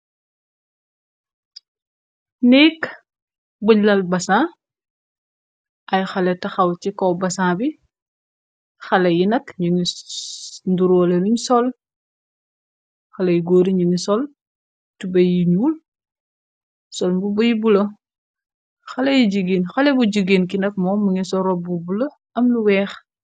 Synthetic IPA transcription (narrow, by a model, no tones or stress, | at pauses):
nɛːk | buɲlɐlbɐsaː | ʔɐjxɐlɛtɐxɐwcikɔbɐsabi | xɐlɐjinɐkɲɟini | nduɾɔːlɛluɲsɔl | xɐlɐjɡoːɾiɲuŋisɔl | tubɐjiɲuːl | sɔlmbubɐjibulɐ | xɐlɐjiɟiɡiːnxɐlɛbuɟəɡeːnkinɐk̚mɔːmuŋisɔɾɔbubulɐ | ɐmluwɛːx